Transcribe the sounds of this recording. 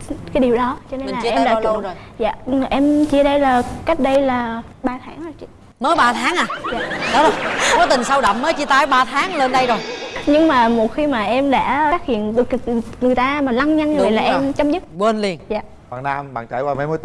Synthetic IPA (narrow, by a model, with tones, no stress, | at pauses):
kaː˨˦jɗi˨˩əwɗɔ˨˦t͡ɕɔ˧ne˧˨la˨˧˨ʔm˨ɗaː˧˨˧t͡ɕ | za̰ː˧˨˩ʔɛ˧mt͡ɕi˧əɗə˧jlaː˨˩ka˦˥jk̟̚ɗə˧jlaː˨˩ | ɓaː˧t̪ʰaː˨˦ŋa˨˩t͡ɕi˧˨ | məː˨˦jɓaː˧t̪ʰaː˨˦ŋʔaː˨˩jaː˨ɗɔ˨˦zo˨˩jkɔ˨˦t̪ï˨˩ŋsa˧wɗə̰˧˨ŋ͡mməː˨˦jt͡ɕi˧t̪aː˨˦jɓaː˧t̪ʰaː˨˦ŋle˧nɗə˧jzo˨˩jɲɨ˧ŋmaː˨˩mo˨˩t̚xi˧maː˨˩ʔɛ˧mɗa̰ː˧˥aː˦˥k̚hḭ˧˨ənɗɨ˨˩ək̚ŋɨ˨˩əjt̪aː˧maː˨˩la˧ŋɲa˧nːɨ˨˩˨jlaː˨˩ʔɛ˧˩mt͡ɕə˧wŋ͡mɲə˦˥t̚kwe˧nli˧˩ənjaː˨ | wa̰ː˧˨˩naː˧mɓa̰ː˧˨nt͡ɕa˧˩jkwaː˧ma˨˦jmə˧ət̪